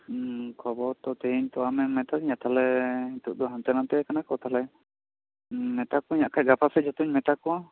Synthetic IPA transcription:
kʰɔbɔɾt̪ɔt̪eɲt̪ɔamɛmɛt̪aɲat̪ʰalɛit̪uʔ̚d̪ɔɦɔnt̪ɛnant̪ɛkanakɔt̪ʰalɛ | mɛt̪akɔiɲaʔkʰajɡapʰasɛd͡ʒɔt̪uɲmɛt̪akɔwa

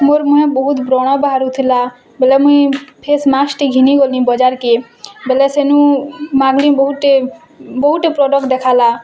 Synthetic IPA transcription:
moɾmuɦẽbɔɦut̪bɾɔɽ̃ɔbaɦaɾut̪ʰila | bɛlɛmuĩpʰesmasʈiɡʱiniɡolĩbɔd͡ʒaɾke | belɛsenũmãɡlibɔɦuʈ̪e | bɔɦuʈepɾɔɖɔkd̪ɛkʰala

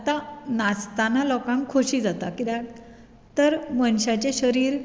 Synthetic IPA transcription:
at̪anast̪analɔkãŋkʰːoɕiːd͡zat̪akid̪a | t̪əɾmənɕat͡ɕeɕəɾiːɾ

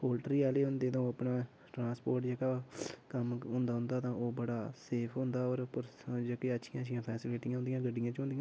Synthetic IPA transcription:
oːlʈɾiːaːleːɦʊ̃nd̪eːt̪ãːəpnaː | ʈɾãːspoːɾʈd͡ʒeːkaːkəmɦʊ̃nd̪aːɦʊ̃nd̪aːt̪ãːʔoːbəɽaːseːpʰɦʊ̃nd̪aːɔːɾpʊɾd͡ʒəːkeətːʃʰɪjãːʃʰɪjãːpʰɛːsɪleːʈɪ̃jãɦʊnd̪ijãːɡəɖːɪjãːt͡ʃɦʊ̃nd̪ijãː

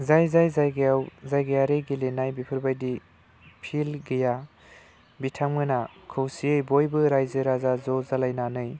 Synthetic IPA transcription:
zajzajzajɡejawzajɡejaɾeɡilenajbipʰɯɾbajdi | pʰilɡɯja | bitʰammɯnakʰɯwsiɯjbojbɯɾajzɯɾazazɔzalajnanɯj

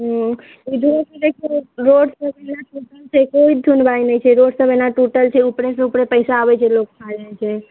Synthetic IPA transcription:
ɦo | id͡ʒʱuekelekʰoɾoɽsəbenaʈuʈəlt͡ʃʰekoid͡ʒd̪ʱunbainəĩt͡ʃʰeɾoɽsəbənaʈuʈəlt͡ʃʰeupɽeseupɽepəjsaːʋet͡ʃʰelok̚tʰad͡ʒəɦet͡ʃʰe

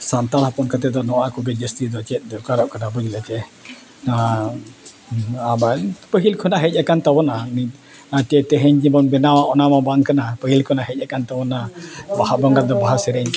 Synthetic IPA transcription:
sant̪alhapɔnkat̪ɛd̪ɔnɔwakɔbɛd͡ʒəst̪id̪ɔt͡ʃɛt̪̚ˀd̪ɔkaɾɔʔkanabɔd͡ʒilɛt͡ʃɛ | a | abapəɦilkʰɔnaɦɛc̚ˀakant̪abɔnani | at̪ɛt̪ɛɦɛɲd͡ʒibɔnbɛnawaʔɔnamabaŋkanapəɦilkʰɔnaɦɛc̚ˀakant̪abɔnabahabɔŋɡad̪ɔbaɦasɛɾɛɲ

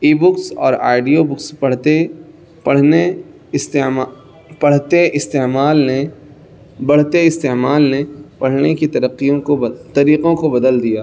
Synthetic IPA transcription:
iːbʊksɔ̰ːɾa̰ːɪɖijobʊkspɐɽ̤t̪e | pɐɽ̤ne | st̪e | pɐɽ̤t̪eʔɪst̪emaːlne | bɐɽ̤t̪eɪst̪emaːlnepɐɽ̤nekit̪ɐɾəqːijõkot̪ɐɾiːqõkobɐd̪əld̪ijaː

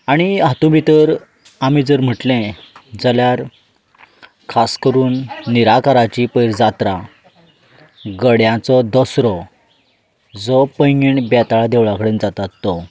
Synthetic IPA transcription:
aɽ̃iat̪ũbit̪əɾ | amid͡zəɾm̤əʈlẽd͡zəljaɾ | kʰaskəɾuːnːiɾakaɾat͡ɕipəjɾd͡zat̪ɾa | ɡəɽjãt͡sɔd̪ɔsɾɔ | d͡zɔpəjŋiɳbɛt̪aɭad̪eʋɭakəɽẽnd͡zat̪at̪ːɔ

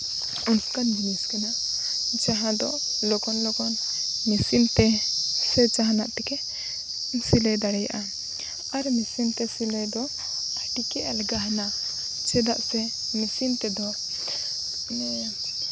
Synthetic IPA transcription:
unskand͡ʒiniskɛnaʔ | t͡ʃaɦãd̪ɔ | lɔkɔnlɔkɔn | misint̪ɛsɛt͡ʃaɦanaʔt̪ɛkɛ | silɛd̪aɽɛja̰ʔa | aɾmisint̪ɛsilɛd̪ɔ | aʈikɛʔɛlɡaɦna | t͡ʃɛd̪aʔsɛ | misint̪ɛd̪ɔ

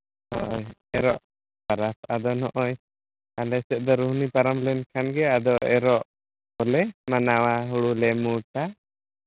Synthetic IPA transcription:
hɔ̰ʔɔjɛɾɔʔ | paɾasad̪ɔnɔʔɔj | alɛsɛt̪̚ˀd̪ɔɾuɦnipaɾamlɛnkʰanɡɛad̪ɔɛɾɔʔ | ɔlɛmanawaɦuɽulɛmuʈa

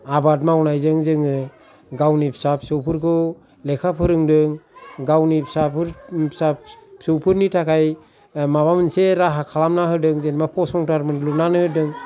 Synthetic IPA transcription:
abat̬̚mawnajzɯŋzɯŋɯ | ɡawnipʰsap̚sɯwpʰɯɾkɯ | lɛkʰapʰɯɾɯŋdɯŋɡawnipʰsapʰɯɾpsasɯwpʰɯɾnitʰakʰaj | maβamɯnseɾaɦakʰalamnaɦɯdɯŋzenmapʰɔsɔŋtaɾmɯnlunanɯhɯdɯŋ

